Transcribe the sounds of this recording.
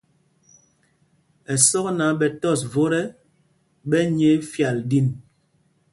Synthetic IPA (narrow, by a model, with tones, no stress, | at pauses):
ɛ˨sɔ˦kna˨˦ɓɛ˨tɔ˦˨svo˦ɾɛ˦ | bɛ˦ɲe˨˦fja˨ldi˦˨n